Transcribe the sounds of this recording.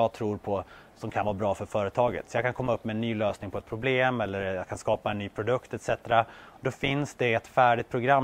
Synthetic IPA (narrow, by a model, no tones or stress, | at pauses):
ɑːɡt̪ʰɾuːɾpʰɔ | sɔmkʰanvɑːbɾɑːfœɾfœːɾət̪ʰɑːɡə̰t̪sɔjɑkʰankʰɔmːaɵpːmɛɛnːyːløːsnɪŋpʰɔɛt̪̚pʰɾʊbleːmɛlːəɾjɑkʰanskɑːpaɛnːyːpʰɾʊd̪ɵkt̪ɛt̪sɛt̪ɾad̪ɔfɪnsd̪ɛɛt̪fæːɖɪt̪pʰɾʊɡɾam